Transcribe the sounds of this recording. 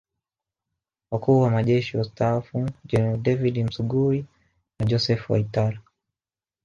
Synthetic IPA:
wakuːwamaʄɛʃiwastafud͡ʒɛdɛvidim̩suɡui | nad͡ʒɔsɛfwa̰itala

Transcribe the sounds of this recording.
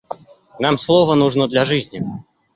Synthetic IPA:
namslˠɔvənuʐnɔd̪lʲɐʐɨzʲnʲi

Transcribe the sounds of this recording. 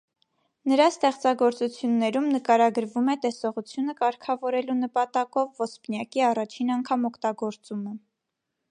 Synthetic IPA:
nəɾɑst̪ɛχt͡sɑɡɔɾt͡sut͡sʰjunːɛɾumnəkɑɾɑɡəɾvumɛt̪ɛsɔʁut͡sʰjunəkɑɾkʰɑvɔɾɛlunəpɑt̪ɑkɔvːɔspnjɑkiɑrɑt͡ʃʰinɑŋkʰɑmɔkʰt̪ɑɡɔɾt͡sumə

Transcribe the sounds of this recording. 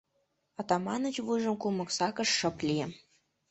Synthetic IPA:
ɑt̪ɑmɑnə̆t͡ɕβujʒə̆mkumɤ̆ksɑkɤ̆ʃːɤ̆plʲijĕm

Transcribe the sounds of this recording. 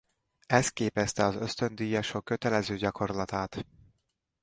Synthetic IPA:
ɛst̪̚keːpɛst̪ɛɒzø̞st̪ø̞nd̪ijɒʃokːø̞t̪ɛlɛzøːɟɒkʰo̞rlɒt̪aːt̪

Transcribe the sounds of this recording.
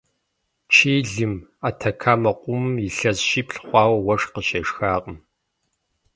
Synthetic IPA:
t͡ʃʰeːɮɨmaːtʰɐkʰaːmɐqʷʊmiɬɐzʃiːpɬχʷɑːwɐwɐʂqəɕɐʂxaːqʼəm

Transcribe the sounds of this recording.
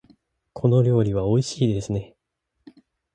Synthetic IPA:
kʰo̞no̞ɾʲo̞ːɾʲiβ̞ao̞iɕiːd̪e̞sɨne̞

